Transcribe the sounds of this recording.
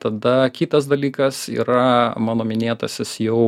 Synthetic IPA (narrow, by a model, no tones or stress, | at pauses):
t̪ɐd̪ɐkʲiːt̪ɐs̬d̪ɐlʲiːkɐsḭːɾɐmɑːnoːmʲɪnʲeːt̪ɐ̰sʲɪsjɛʊ